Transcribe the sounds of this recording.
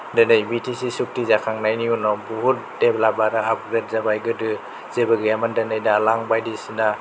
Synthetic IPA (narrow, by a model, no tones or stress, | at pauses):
dɯnajbitʰisisuk̚tizakʰaŋnajniunɔbuɦut̚deplabaɾaːp̚ɾet̚zabajɡɯdɯ | z̥ebaɡiamandanajdalaŋbajdisina